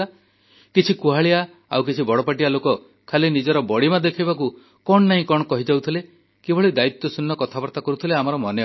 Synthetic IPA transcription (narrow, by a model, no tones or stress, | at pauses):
a | kit͡ʃʰikuɦaɭia | a̰wk̬it͡ʃʰibɔɽɔpaʈijalokɔ | kʰalinid͡ʒɔɾɔbɔɽimad̪ekʰajbaku | kɔɳ̃ɔnaɦĩkɔɽ̃ɔkɔɦid͡ʒawt̪ʰile | kebʱɔɭid̪ait̪ːɔsunːɔkɔt̪ʰabɔɾt̪akɔɾut̪ʰileamɔɾɔmɔne